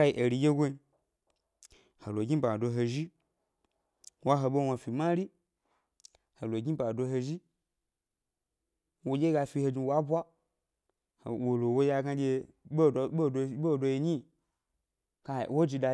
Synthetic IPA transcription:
ka˧i˨ʔe˨ɾi˧jʲe˦ɡʷo˦i˧ | ho˨lo˨ɡʲi˦ba˨do˧ɦo˧ʒi˦ | wa˦ɦo˧ɓo˦˧wa˧fi˨ma˦ɾi˦ | ho˨lo˨ɡʲi˦ba˨do˧ɦo˧ʒi˦ | wo˧d͡ʒʲe˦ɡa˧fi˧ho˧d͡ʒi˧wa˦bʷa˦ | hwo˨lo˨wo˦ja˧ɡa˧ɡʲe˧˦˨ | ɓo˦˧˦ɓo˦˨do˧ji˧ɲi˦˨ | ka˧˨wo˦d͡ʒi˧da˧

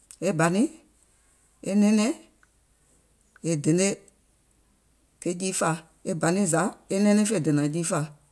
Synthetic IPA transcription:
e˦ba˨nĩ˦ | e˦nɛ̃˦nɛ̃˦ | e˨de˨ne˦ | ke˧˦d͡ʒiː˦fa˧˨ | e˦ba˨nĩ˦˨za˨˦e˦nɛ̃˦nɛ̃˦fe˧˨de˨nã˨d͡ʒiː˦fa˧˨

